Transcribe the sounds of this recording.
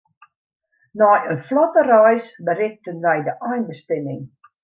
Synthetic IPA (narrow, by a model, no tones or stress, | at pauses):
nɔjənflɔtərœjsbərɪk̚tənʋɛjdəʔɔjnbəstɪmɪŋ